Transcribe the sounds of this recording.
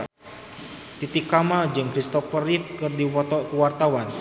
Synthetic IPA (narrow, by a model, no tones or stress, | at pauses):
t̪it̪ikːamald͡ʒɨŋkɾist̪ɔfərifkɨrdiɔkəwart̪awan